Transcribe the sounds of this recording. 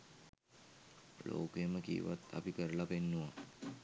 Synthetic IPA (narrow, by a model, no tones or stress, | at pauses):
lʔo̰ːkəjəməkḭːʋat̪ːa̰pikəɾəlapenːuʋa